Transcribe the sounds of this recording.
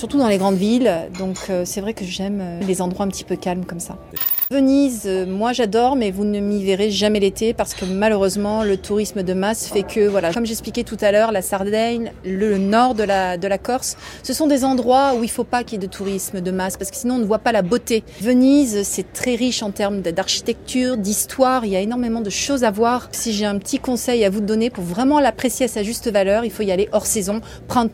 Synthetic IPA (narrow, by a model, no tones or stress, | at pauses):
syʁt̪ud̪ɑ̃leɡʁɑ̃d̪vild̪ɔ̃kʰøsɛvʁɛkəʒɛmølezɑ̃d̪ʁwaɛ̃pət̪i̥pøkalmkɔmsa | vənizømwaʒad̪ɔʁmɛvunəmiveʁeʒamɛlet̪epaʁsə̥kəmaløʁøzmɑ̃lət̪ʰuʁisməd̪əmasfɛkʰəvwalakɔmʒɛksplikʲɛt̪ut̪alœʁlasaʁd̪ɛɲlənɔʁd̪əlad̪əlakɔʁsːəsɔ̃d̪ezɑ̃d̪ʁwauilfopakʲiɛd̪ət̪ʰuʁisməd̪əmaspaʁsə̥kə̥sinɔ̃nəvwapalabot̪evənizsɛt̪χɛʁiʃɑ̃t̪ɛʁmd̪əd̪aʁʃi̥t̪ɛk̚t̪ʰyʁd̪ist̪waʁiljaenɔʁmemɑ̃d̪əʃozavwaʁsiʒeɛ̃pət̪ʰikɔ̃sɛjavud̪ɔnepuʁvʁɛmɑ̃lapχesjeasaʒyst̪əvalœʁilfoialeʔɔʁsɛzɔ̃ | pχɛ̃t̪